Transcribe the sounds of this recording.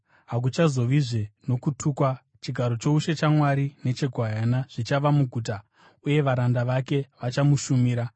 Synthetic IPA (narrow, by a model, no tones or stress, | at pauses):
ɦak̬ut͡ʃazo̞ʋiʐe̞no̞kutʰuːkwa | t͡ʃiɡʱaɾo̞t͡ʃo̞uʃe̞t͡ʃamwaɾine̞t͡ʃe̞ɡʱoajanaʐ̥it͡ʃaʋamuɡʱuːta | uje̞ʋaɾandaʋake̞ʋat͡ʃamuʃumiːɾa